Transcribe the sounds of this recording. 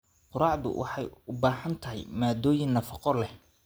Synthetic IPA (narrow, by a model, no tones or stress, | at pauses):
qʊɾɑːʕd̪ʊ̰wʔɑ̰ħɑjʊbaːhɐnt̪ʰɐɦɛ̰jmaːd̪ɔːjɪnːɐfɑqɔlɛh